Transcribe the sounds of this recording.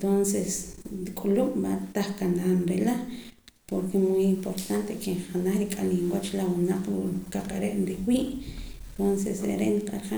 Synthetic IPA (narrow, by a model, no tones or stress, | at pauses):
t̪onsesɾikʼuluʔmat̪aχkanaːnɾela | poɾkemujimpoɾt̪ant̪ekeχanaχɾikʼalimwat͡ʃlawunaq͡χɾukaqʼaɾeʔnɾiwiːʔent̪onsḛsɾḛɾeʔniqʼaɾχa